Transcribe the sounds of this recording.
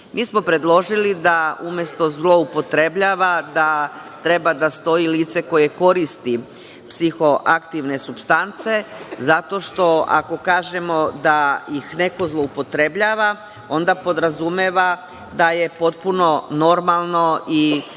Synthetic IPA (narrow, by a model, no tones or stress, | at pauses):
mʔiːsmo̞pɾe̞d̪lˠo̞ʒilid̪aumjest̪o̞zlˠo̞upo̞t̪ɾe̞bʎaːʋad̪a | t̪ɾe̞bad̪ast̪o̞jiliːt̪se̞ko̞je̞ko̞ɾist̪i | psixo̞ʔakt̪iʋne̞supst̪ant̪se̞zat̪o̞ʃt̪o̞a̰ko̞kaːʒe̞mo̞d̪ajixne̞ko̞zlˠo̞upo̞t̪ɾe̞bʎaːʋa | o̞nd̪apo̞d̪ɾazumeʋa | d̪aje̞po̞t̪̚puno̞no̞ɾmalˠno̞i